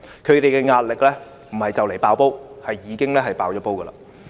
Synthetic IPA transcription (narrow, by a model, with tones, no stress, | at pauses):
kʰɵ˨˧ɥt̪e˨jkɛː˧ŋaː˧t̚lɪ˨k̚lɛː˥ | m̩˨˩hɐ˨jt͡sɐ˨wle˨˩jpaː˨˧wpo˥whɐ˨jːiː˨˧kɪ˥ŋlɛː˥ɦɐ˨jpaː˨wt͡ʃɔː˨˥po˥wkəː˧la̰ː˨